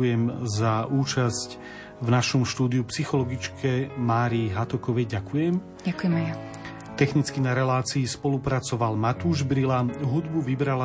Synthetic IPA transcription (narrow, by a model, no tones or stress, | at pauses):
ujɛmzauːt͡ʃasc | vnaʃɔmʃt̪uːd̪iupsixɔlɔɡit͡ʃkʰɛmaːɾiɦat̪ɔkɔʋɛjɟakujɛm | ɟakujɛmɛja | t̪ɛxnit͡skinaɾɛlaːt͡siːspɔlupɾat͡sɔʋalmat̪uːʒbɾilaɦud̪buʋibɾala